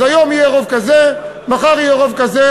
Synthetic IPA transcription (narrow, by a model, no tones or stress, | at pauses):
ajo̞mijeʁovkaze | maχaʁijeʁovkaze